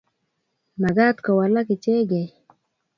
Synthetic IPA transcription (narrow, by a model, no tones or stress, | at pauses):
maɡaːt̪kawalakit͡ʃeɡe